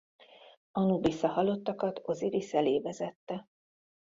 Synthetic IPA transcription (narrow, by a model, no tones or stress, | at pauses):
ɒnubisɒhɒlo̞t̪ːɒkɒt̪ʰo̞ziɾisɛleːvɛzɛt̪ːɛ